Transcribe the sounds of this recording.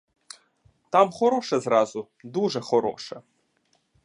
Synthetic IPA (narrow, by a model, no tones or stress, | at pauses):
t̪ʰamχɔɾoːʂɐzraːzu | d̪uʐɐχɔɾo̰ːʂɐ